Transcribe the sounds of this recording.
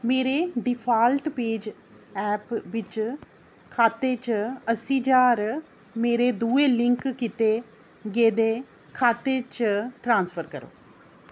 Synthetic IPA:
meːɾeːɖɪpʰaːlʈpeːd͡ʒ | ɛːpʋɪt͡ʃ | kʰaːt̪eːt͡ʃəsiːd͡ʒaːɾ | meːɾeːd̪uːeːlɪ̃ŋkkɪt̪eː | ɡeːd̪eː | kʰaːt̪eːt͡ʃʈɾãːnspʰəɾkəɾo̰ː

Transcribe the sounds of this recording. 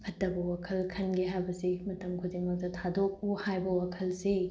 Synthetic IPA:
kʰɐtːɐbɐwakʰɐlkʰɐnɡiɦajbɐsimɐtɐmkʰudiŋmɐk̚tɐtʰadok̚uhajbɐwakʰɐlse

